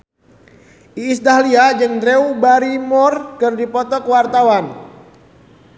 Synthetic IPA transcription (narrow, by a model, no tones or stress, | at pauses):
ʔiːsdahliad͡ʒɨŋdɾeubaɾimɔrkɨrdipɔt̪ɔkwart̪awan